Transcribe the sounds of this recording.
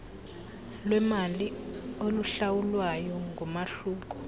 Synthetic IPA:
lwɛmalioluɬawulwajɔŋɡʱumaɬuːk̬ɔ̥

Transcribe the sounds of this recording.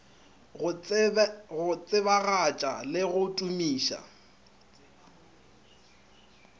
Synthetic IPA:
ɣʊt͡sʼɪβaɣat͡ʃʼa̰lɪɣʊtʼumiːʃa̰

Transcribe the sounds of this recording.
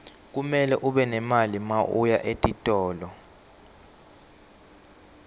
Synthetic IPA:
k̬umɛlɛʔuɓɛnɛmalimaʔṵjaʔetʼitʼɔːlɔ

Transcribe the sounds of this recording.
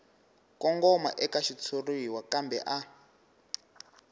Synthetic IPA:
kɔŋɡɔma̰ʔɛkaʃit͡sʰoruiwakambɛ̰ʔa

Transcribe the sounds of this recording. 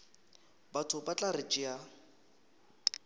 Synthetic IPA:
batʰʊbat͡ɬʼarɪt͡ʃʼɪa

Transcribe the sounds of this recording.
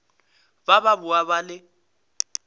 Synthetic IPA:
bababʊabalɪ

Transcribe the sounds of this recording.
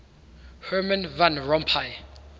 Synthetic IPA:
hɛmɛ̃nvãnɹɔmpʰaj

